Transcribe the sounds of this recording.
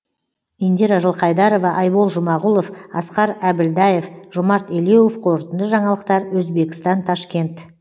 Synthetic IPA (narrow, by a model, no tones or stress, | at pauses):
ind̪ʲeɾaʒəlˠqʰɑjd̪ɑɾo̞vɑʔɑjbolˠʒʊmɑʁulˠo̞fɑ̰sqɑɾæbɪld̪ɑjefʒʊmɑɾt̪elewofqʰoɾət̪ənd̪əʒɑɴɑlˠəqt̪ɑɾwɵzbe̞kʲɪst̪ɑnt̪ʰɑʃkʲe̞nt̪